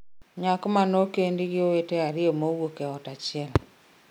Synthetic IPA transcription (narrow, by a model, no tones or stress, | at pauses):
ɲakomanokendiɣjowetɛaɾiomoɣwokɛɔtat͡ʃiɛl